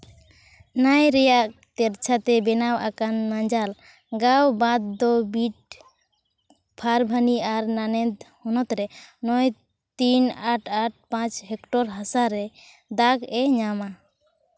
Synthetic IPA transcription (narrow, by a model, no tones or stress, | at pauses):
najɾɛjaʔt̪ɛɾt͡ʃʰat̪ɛbɛnawʔakanmaɲd͡ʒal | ɡawbad̪ːɔbiʈ̚ | pʰaɾbʱaniaɾnanɛd̪hɔnɔt̪ɾɛnɔj | t̪inaʈʰaʈ̚pãt͡ʃɦɛkʈɔɾɦasaɾɛ | d̪aɡɛɲama